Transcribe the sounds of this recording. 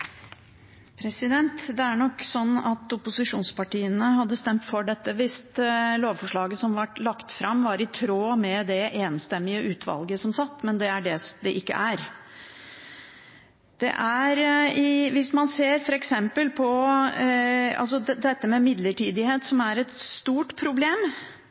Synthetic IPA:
pʰɾɛsɪd̪ɛnt̪d̪ɛæɳɔkːsɔnːɑt̪ʊpʊsɪʂuːnspɑʈiːənəhɑd̪ːəst̪ɛmt̪fɔɖɛt̪ːəʋɪst̪loːʋfɔʂɭɑːɡəsɔmʋɑʈːlɑkt̪fɾɑmʋɑɾɪt̪ʰɾoːmɛd̪ɛeːnst̪ɛmːɪəʔʉːt̪ʰʋɑ̰lɡəsɔmsɑt̪ːmɛnd̪ɛæɖɛd̪ɛʔɪkːə̰ʔæɾ | d̪̥ɛ̰ʔæɾɪʋɪsmɑnseːɾfɔɾɛksɛmpəlpʰɔ | ɑ̰ls̬ɔd̪ɛt̪ːəmɛmɪd̪ləʈʰiːd̪ɪheːt̪sɔmæɾɛt̪st̪uːʈpʰɾʊbleːm

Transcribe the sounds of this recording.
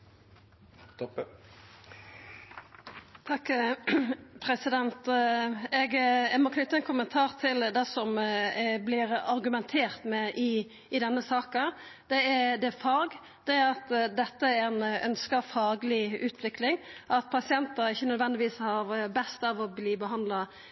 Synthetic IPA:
t̪ʰɑkː | pʰɾɛsɪd̪ɛnt̪ | ɛɡɛɡmɔkʰnʏt̪ːəɛnkʰʊmənt̪ʰɑːʁt̪ʰɪld̪ɛsɔm | blɪɾɑɾɡʉmɛnt̪ʰeːʁt̪mɛʔɪ | ɪd̪ɛnːəsɑːkə | d̪̥ɛæd̪ɛfɑːɡ | d̪̥ɛæɾɑt̪d̪ɛt̪ːəæɾɛnœ̰nskəfɑːɡəlɪʉːt̪ʰʋɪklɪŋʔɑt̪̚pʰɑsɪɛnt̪əɾɪçːənœd̪ʋɛnd̪ɪʋiːshɑʁbɛst̪ɑʋɔbliːbəɦɑnd̪lɑ

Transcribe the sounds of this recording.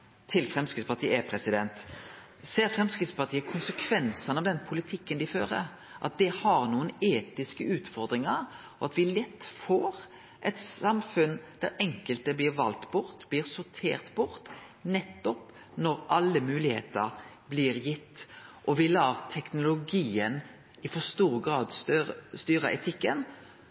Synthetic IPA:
t̪ʰɪlfɾɛmskɪt̪spɑt̪ʰiːəɛpʰɾɛsɪd̪ɛnt̪ | seːɾfʁɛmskɾɪt̪spɑt̪iːəkʰʊnsəkʰʋɛnsɑnɑʋd̪ɛnpʰʊlɪt̪ʰɪkːənd̪ɪføːɾə̰ɾ | ʔɑ̰t̪̚d̪ɛhɑɾnuːəneːt̪ɪskəʉːt̪fɔɾd̪ɾɪŋɑɾ | ɔɑt̪ʋɪlɛt̪ːfoːɾ | ʔɛt̪sɑmfʉnd̪̥æɾɛŋkəlt̪əblɪːɾʋɑlt̪bʊɾt̪bliːɾsʊɾt̪ʰḛːʁt̪bʊɾt̪ | nɛt̪ːɔp | nɔɾʔɑlːəmʉːlɪhḛːt̪əɾ | blɪːɾjɪt̪ːʔɔʋɪlɑːʁt̪ʰɛknʊlʊɡiːən | ɪfɔst̪uːɾɡɾɑːd̪st̪œɾst̪yːɾəʔɛt̪ʰɪkːən

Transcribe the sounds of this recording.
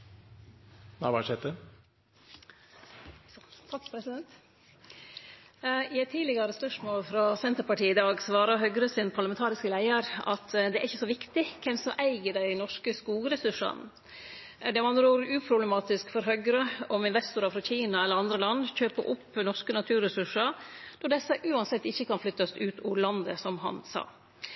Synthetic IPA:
næ̰ɪʋɑʂɛt̪ə | t̪ʰɑkpʰɾɛsɪd̪ɛnt̪ | ɪæt̪ʰːiːlɪɡɑɾəspœʂmoːlfɾɑsɛnt̪əɾpɑʈiːɪd̪ɑːɡsʋɑːɾɑɦœɡɾəsɪnpʰɑɾɭɑmɛnt̪ʰɑːɾɪskəlæɪəɾɑ̰t̪d̪ɛæ̰ɾɪçəsɔʋɪkt̪ɪkʰɛmsɔʔæɪɡəɖæɪnɔʂkəskuːlɾɛsʉʂɑ̰n | d̪ɛmɑnɾuːɾʉːpʰɾʊbləmɑːt̪ɪskfɔɾɦœɡɾəɔmɪnʋɛst̪ʊɾɑfɾɑçiːnɑɛlːəɾɑnd̪ɾəlɑnːçøːpəɾʔʊpːnɔʂkənɑt̪ʰʉːɾɛsʉʂɑɾd̪̥ɔɖɛsːəʔʉːɑnsɛt̪ːɪçːəkɑnflʏt̪ːɑsʉːt̪ʰʊlɑnd̪əsɔmɦɑ̰nsɑ̰ː

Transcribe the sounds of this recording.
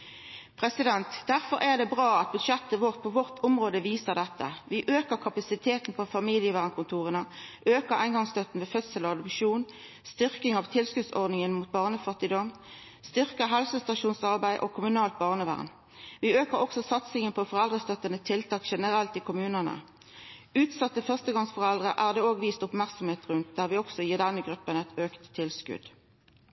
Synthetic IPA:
pʰʁɛsɪd̪ɛnt̪d̪̥æʁfɔɾʔæʁd̪ɛbʁɑːɑt̪̚bʉd̪ʃɛt̪ːəʋɔʁt̪̚pʰɔʋɔʁt̪ʰɔmʁoːd̪əʋiːsəʁd̪ɛt̪ʰːə̰ʋɪʔøːkəʁkʰɑpɑsɪt̪ʰeːt̪n̩pʰɔfɑmiːljəʋæːʁnkʰʊnt̪ʰuːʁənəʔøːkəʁæ̰ɪnɡɑŋst̪œt̪n̩ʋeːfœt̪səlɔɑd̪ʊpʂuːn | st̪ʏʁkɪŋɑʋt̪ʰɪlskʉːd̪sɔ̰ʁd̪nɪŋənmuːt̪̚bɑːʁnəfɑt̪ːɪd̪ɔm | st̪ʏʁkəɦɛlsəst̪ɑʃuːnsɑʁbæɪʔo̰kʰʊmʉnɑːlt̪̚bɑʁnəʋæ̰ːʁn | ʋiːøːkəʁɔksɔsɑt̪sɪŋənpʰɔfɔʁɛld̪ʁəst̪œt̪ːənət̪ʰɪlt̪ʰɑːkʃɛnəʁɛlt̪iːkʰʊmʉːnənə̰ | ʉːt̪sɑt̪ːəfœʁst̪əɡɑŋsfɔʁɛld̪ʁəʔæːʁd̪eːoːɡʋiːst̪ʊpmæʁksɔmheːt̪ʁʉnt̪̚d̪̥æːʁʋɪːɔksɔjiːd̪ɛnːəɡʁʉpːənɛt̪øːkt̪ʰːɪlskʉ̰d̪̥

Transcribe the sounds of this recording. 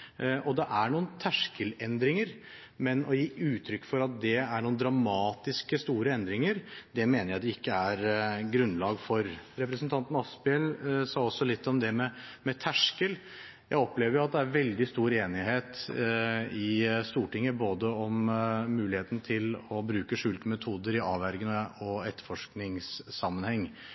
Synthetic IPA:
ʔɔd̪ɛʔæɳuːən̩t̪ʰæʂkəlɛnd̪ɾɪŋəɾ | mɛnɔjiːʉːt̪ʰɾʏkːfɔɾɑt̪̚d̪ɛæɳuːənd̪ɾɑmɑːt̪ɪskəst̪uːɾəɛnd̪ɾɪŋəɾd̪ɛmeːnəɾjæɪd̪ɛɪkːəæɾɡɾʉnːlɑːɡfɔɾɾɛpɾəsnt̪ʰɑnt̪n̩ɑspɪɛlsɑːɔsːɔlɪt̪ːɔmd̪ɛmɛmɛt̪ʰæʂkəl | jæɪɔpleːʋəɾjʊɑt̪̚d̪ɛæɾʋɛld̪ɪst̪uːɾeːnɪɦeːt̪ | ɪst̪uːʈɪŋːəboːd̪əɔmːʉːlɪheːt̪ənət̪ʰɪlɔbɾʉːkəʂʉːlt̪əmɛt̪ʰuːd̪əɾɪɑːʋæɾɡənɔɛt̪ːə̥ɾfɔʂknɪŋsːɑmːənhɛŋː

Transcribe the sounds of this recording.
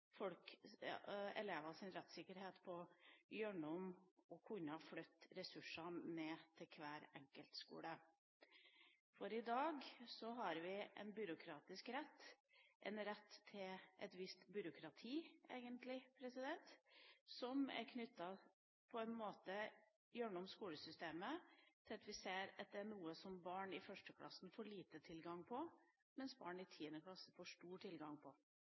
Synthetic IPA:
fɔlk | ɛ̰leːʋɑsɪnɾɛt̪ːsɪkːəɾheːt̪pʰɔjœɳʊmɔkʰʊɲːəhɑflœt̪ːɾɛsʉʂɑneːt̪ʰɪlkʰʋæːɾɛŋkəlt̪skṵːɽə | fɔɾɪd̪ɑːɡsɔɦɑɾʋɪʔɛ̰nbʏɾʊkʰɾɑːt̪ɪskɾɛt̪ːʔɛ̰nɾɛt̪ʰːɪlʔɛ̰t̪ʋɪst̪bʏɾʊkʰɾɑt̪ʰiːḛːɡənt̪lɪpʰɾɛsɪd̪ɛnt̪sɔmæ̰ɾkʰnʏt̪ːɑ | pʰɔɛɪnmoːt̪ə | jœɳɔmskuːləsʏst̪eːmət̪ʰɪlɑt̪ʋɪseːɾɑt̪̚d̪ɛæɳuːəsɔmbɑːɳɪfœʂʈəkʰlʔɑ̰sn̩foːɭiːt̪ət̪ʰɪlɡɑŋpʰɔ | mɛnsbɑ̰ːɳɪt̪ʰiːənəkʰlɑsəfoːʂʈuːʈʰɪlɡɑŋpʰɔ

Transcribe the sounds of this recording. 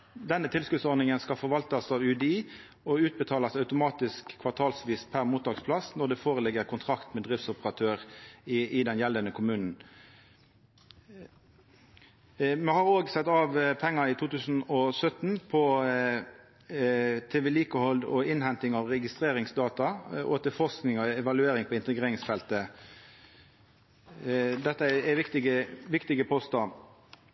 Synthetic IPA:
d̪ɛnːət̪ʰɪlskʉt̪sɔɾd̪nɪŋənskɑfɔʁʋɑlt̪ɑsɑːʋʉd̪iː | ɔʉːt̪̚bət̪ʰɑːlɑsɑʉt̪ʊmɑːt̪ɪskʰːʋɑʁt̪ʰɑːlsʋiːspʰæʁmuːt̪̚d̪ɑːkspʰlɑsnɔd̪ɛfoːʁəlɪɡəʁkʰʊnt̪ʰʁɑkt̪mɛd̪ʁɪft̪sʊpəʁɑt̪ʰøːʁ | ɪd̪ɛnjɛlːənəkʰʊmʉːnn̩ | mɛhɑʁoːɡsɛt̪ːɑːʋpʰɛŋːəit̪ʰuːt̪ʉːsn̩ɔsœt̪n̩pʰɔ | t̪ʰeːʋɛliːkəhɔld̪ɔ̰ɪnhɛnt̪ɪŋɑʋʁɛɡɪst̪ʁeːʁɪŋsd̪ɑːt̪ɑoːt̪əfɔʁsknɪŋɔɛʋɑlʉeːɾʁɪŋpʰɔɪnt̪əɡʁeːɾɪŋsfɛlt̪ə | d̪ɛt̪ːəɛɛʋɪkt̪ɪɡəʋɪkt̪ɪɡəpʰɔst̪ɑ

